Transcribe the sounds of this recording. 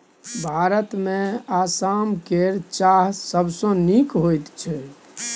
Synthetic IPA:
bʱaɾət̪mẽasamkeɾt͡ʃaɦsəbsɔ̃nikɦojt̪t͡ʃʰɛ

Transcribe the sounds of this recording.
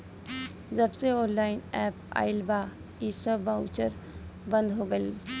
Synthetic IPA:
d͡ʒəbseɔːnlaːɪnɛːpa̰ːɪlbaː | isəbːaʊt͡ʃəɾbə̃nd̪ɦoɡəi

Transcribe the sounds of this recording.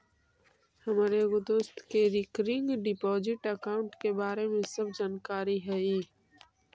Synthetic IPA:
hɐmaːɾeɡʊd̪ʊst̪keɾɪkɾɪ̃ŋɡɖɪpɔːzɪʈɐkaːʊ̃ɳʈkebaːɾemẽsɐbd͡ʒaːnkaːɾiɦɛiː

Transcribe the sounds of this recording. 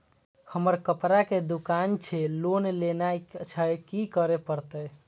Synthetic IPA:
həməɾkəpɾaked̪ukant͡ʃʰelonlenajt͡ʃʰəjkikəɾepəɾt̪əj

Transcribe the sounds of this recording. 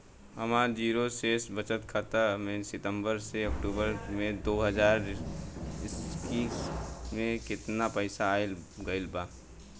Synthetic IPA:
ɦəmaːd͡ʒiːɾoseːsbət͡ʃət̪kʰat̪əmẽsɪt̪ə̃mbəɾseɐkʈuːbəɾmẽd̪oːɦəd͡ʒaːɾ | ɪski | mẽkɪt̪napəɪsaːɪlɡəɪlbaː

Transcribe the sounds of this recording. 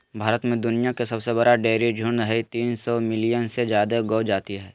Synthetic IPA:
bʱaːɾət̪mẽd̪ʊnijakesɐbsebɐɾaɖeːɾid͡ʒʱʊnɾəɦit̪iːnsɔmɪlijənsed͡ʒjaːd̪eɡoːd͡ʒaːt̪iɦɛː

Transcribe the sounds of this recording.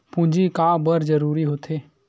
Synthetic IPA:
pũnd͡ʒikaːbəɾd͡ʒəɾuːɾiɦoːt̪ʰeː

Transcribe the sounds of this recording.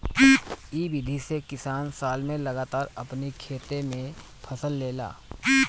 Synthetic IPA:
iːbid̪ʱisekɪsaːnsaːlmẽlɐɡaːt̪aːɾɐpnikʰeːt̪emẽ | pʰɐsəlːeːla̰ː

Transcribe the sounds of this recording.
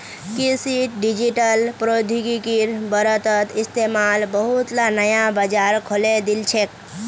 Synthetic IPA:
kisiʈ̚ɖid͡ʒiʈəlpɾod̪ʱikikiɾbəɾət̪ət̪ist̪emalbəɦut̪lanəjabəd͡ʒaɾkʰoled̪ilt͡ʃʰek̚

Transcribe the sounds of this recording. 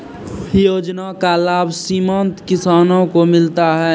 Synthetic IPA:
joːd͡ʒnakalaːbʱsimə̃nt̪kɪsaːnõkomɪlt̪aɦɛː

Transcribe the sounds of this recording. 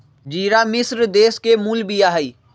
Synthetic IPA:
d͡ʒiːɾamɪsɾd̪eːskemuːlbijaːɦəiː

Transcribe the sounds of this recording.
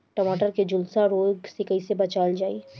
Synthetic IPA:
ʈɐmaːʈəɾked͡ʒʊlsaɾoːɡsekəisebɐt͡ʃaːld͡ʒaːi

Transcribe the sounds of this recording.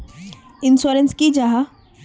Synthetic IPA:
ɪnsoːɾənskid͡ʒaɦa

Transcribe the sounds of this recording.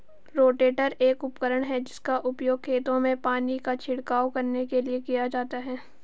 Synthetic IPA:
ɾoːʈeːʈəɾeːkʊpkəɾəɽ̃ɦɛd͡ʒɪskaʔʊpjoːɡ̚kʰeːt̪õmẽpaːnikat͡ʃʰɪɽkaːwkɐɾnekeliekijad͡ʒaːt̪aɦɛː

